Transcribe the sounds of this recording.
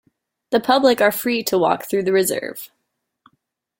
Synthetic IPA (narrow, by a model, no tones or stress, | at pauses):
ðɨpʰʌblɪkə˞fɹiɾʰəwɔ̰kθɹʉðɨɹɨzɜ̰˞v̥